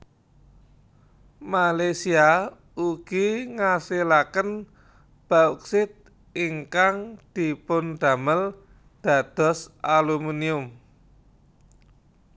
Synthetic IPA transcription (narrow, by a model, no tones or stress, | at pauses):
malasia | uɡ̥iŋasilakən | b̥auk̚sɪt̪̚ | iŋkaŋd̪̥i̤pʊnd̪̥a̤məl | d̪̥ä̤d̪̥ɔ̤saluminiʊm